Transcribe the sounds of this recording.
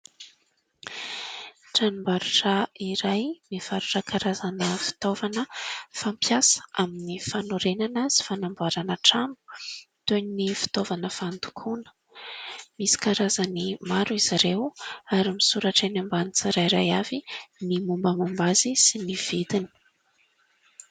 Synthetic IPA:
ʈ͡ʂanumbaɾuʈ͡ʂaiɾajmiv̥aɾuʈ͡ʂəkaɾazanəfi̥t̪ovanəfampjasə̥ʔaminifanoɾenanasi̥fanambuaɾanəʈ͡ʂambu̥ | t̪eɲinifi̥t̪ovanəfand̪u̥kʰunə̥ | misi̥kaɾazanimaɾuiziɾewaɾimisuɾaʈ͡ʂenambanit͡saɾaiɾajavinimumbəmambazisiniv̥id̪ini̥

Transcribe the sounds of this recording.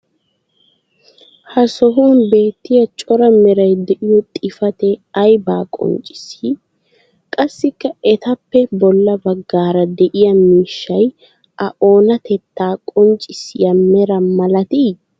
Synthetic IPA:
hɐsɔɦuːnbe̞ːt̪ːɪjɐt͡ʃʼɔɾɐmɛɾɐjd̪ɛʔɪjɔt̪ʼɪfɐt̪ɛɐjbaːkʼɔ̰nt͡ʃʼɪ̥si | kʼɐsːɪkːɐɛt̪ɐpːɛbɔlːɐbɐɡːaːɾɐd̪ɛʔɪjɐmiːʃːɐj | ʔɐʔo̞ːnɐt̪ɛt̪ːaːkʼɔnt͡ʃʼɪsɪjɐmɛɾɐmɐlɐt̪iː

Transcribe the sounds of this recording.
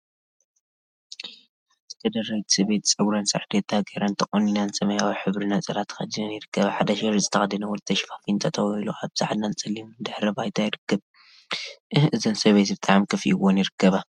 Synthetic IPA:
at̪ʰɨ̥t̪ʰɐd̪ɐrɐjt̪ʰsɨβet̪t͡sʼɨɡɾɐnsʼɐʕd̪et̪ʰːaɡeɾant̪ʰɐχʼoninansɐmɐjawiħɨβɾinasʼɐɾat̪ʰːxɐ̰d̪inɐnjɪɾɨkːɐβɐħad̪ɐʃɪɾɨzʼɨt̪ʰɐxɐd̪inɐwɔlt̪ʰɐʃfḁfint̪ʰɐt̪ʰɐwiluʔaβbz̥a̰ħad̪nant͡sʼɐlːimd̪ɨħɾɐbajt̪ʰajɪɾɨkːɐb̚ | ʔɨhɨzɨnsɐβet̪ibɨt̪ʼaʕmkʰɨfḭʔɨwonjɪɾɨkːɐβɐ

